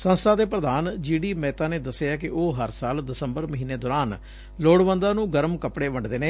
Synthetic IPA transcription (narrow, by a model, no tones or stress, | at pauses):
sə̃nst̪ʰaːd̪eːpɾəd̪aːnd͡ʒiːɖiːmɛːt̪aːneːd̪əsejaːkɪʔoːɦəɾsaːld̪ɪsəmbəɾməɦiːneːd̪ɔːɾaːn | loːɽʋənd̪aːnũːɡəɾmkəpɽeːʋəɳɖd̪eːneː